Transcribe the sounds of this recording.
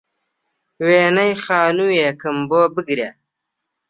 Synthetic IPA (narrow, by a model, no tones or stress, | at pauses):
weːnɐjxaːnujeːkəmboːbəɡɾja